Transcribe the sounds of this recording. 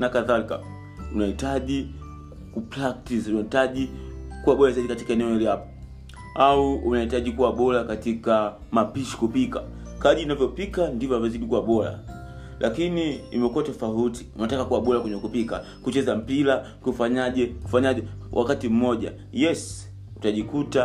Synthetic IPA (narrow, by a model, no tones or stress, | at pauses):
nakaðalika̰ | unahitaʄi | kupɾak̚tisunahitaʄikuwaɓɔlazaiɗikati̥kaɛnɛɔiliapɔ̥ | auːnahitaʄikuwaɓɔlakatika | mapiʃi̥kupika̰ | kaʄiːnavjɔpikandivɔavɛziɗikuwaɓɔla̰ | lʔakiniimɛkuwatɔfauti̥unatakakuwaɓɔlakwɛɲɛkupika | kut͡ʃɛzam̩pila | kufaɲaʄɛku̥faɲaʄɛwʔa̰katim̩mɔʄa̰ | jɛs | utaʄikuta